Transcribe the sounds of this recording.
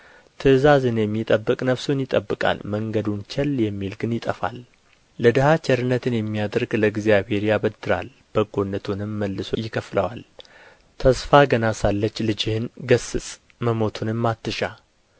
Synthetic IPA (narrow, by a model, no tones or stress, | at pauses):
t̪ʰɨzazɨnjɛmːit̪ʼəbːɨkʼnəβsonjɪt̪ʼəbːɨkʼa̰lməŋɡəd̪unt͡ʃʰɛljɛmːilɡɨnjɪt̪ʼəfa̰lː | əd̪əhat͡ʃʰɛɾɨnːət̪ʰɨnjɛmːijad̪əɾɡləɡzijabe̞ɾjabəd̪ɨɾa̰l | b̥əɡo̞nːət̪ʰunɨmːəlːɨsojɪkʰəfləwal | t̪ʰəsfaɡənasalːət͡ʃːlɨd͡ʒɪhɨnɡəsɨsʼ | məmo̞t̪ʰunɨmːat̪ːɨʃa